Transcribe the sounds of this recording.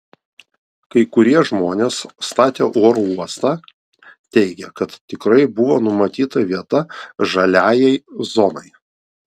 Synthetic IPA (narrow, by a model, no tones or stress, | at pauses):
kɐɪkʊɾʲiɛʒmoːnʲeːsst̪ɑːt̪ʲeːʔoːɾouɔst̪ɑː | t̪ʲɛɪɡʲɛkɐt̪t̪ʲɪkɾɐɪbʊʋoːnʊmɐt̪ʲiːt̪ɐʋʲiɛt̪ɐʒɐlʲæːjɛɪzɔnɐɪ